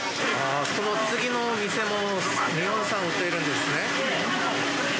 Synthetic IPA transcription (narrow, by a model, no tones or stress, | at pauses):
aːsonot͡sɨɡʲinomʲise̞mo̞ | mʲiõsãɰ̃ɯt̪ːeiɾɯ̃nd̪esɨne̞